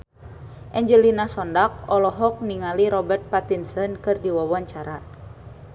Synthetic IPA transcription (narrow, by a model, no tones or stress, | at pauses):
ʔɛɲd͡ʒəlinasɔndak̚ɔlɔɦɔk̚niŋaliɾɔbɛrt̪̚pat̪insənkɨrdiwawaɲt͡ʃaɾa